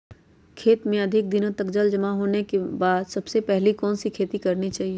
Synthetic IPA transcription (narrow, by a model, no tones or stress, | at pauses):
kʰeːt̪mẽɐd̪ʱɪk̚d̪ɪnõt̪ɐkd͡ʒəld͡ʒɐmaɦoːnekebaːd̪sɐbsepɛɦlikɔːnsikʰeːt̪ikɐɾnit͡ʃaːɦie